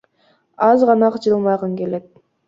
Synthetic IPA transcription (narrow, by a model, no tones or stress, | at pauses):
ɑzʁɑnɑqd͡ʒɯlˠmɑʁəŋkʲelet̪̚